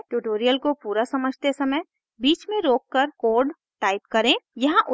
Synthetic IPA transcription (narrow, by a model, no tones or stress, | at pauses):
ʈuʈoːɾijəlkopuːɾasɐməd͡ʒʱt̪esɐməj | biːt͡ʃmẽɾoːkːəɾkoːɖ | ʈaːɪpkɐɾẽjɐɦãʔʊ